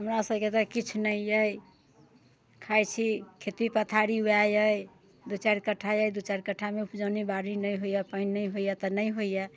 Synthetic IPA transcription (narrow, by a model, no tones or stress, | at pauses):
ɦəmɾasəbket̪ɔkit͡ʃʰnəjjəj | kʰajt͡ʃʰikʰet̪ipət̪ʰaɾiuajəj | d̪ut͡ʃaɾkəʈʰːajajd̪ut͡ʃaɾkəʈʰːameupd͡ʒanibaɾinəjɦoijɛpəɪnːəjɦojɛt̪ɔnəjɦoijɛ